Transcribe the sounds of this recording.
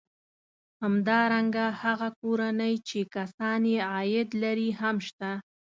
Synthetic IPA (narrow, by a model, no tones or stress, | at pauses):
hamd̪ɑɾaŋɡahaɣakoɾanəjt͡ʃekasɑnjeɑjɪd̪laɾiɦamʃt̪a